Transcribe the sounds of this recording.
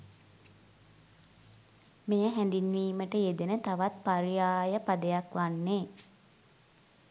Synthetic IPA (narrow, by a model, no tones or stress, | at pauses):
mejəɦɛnd̪inʋiːməʈəed̪enət̪aʋat̪̚paɾijaːjəpad̪əjakʋanːeː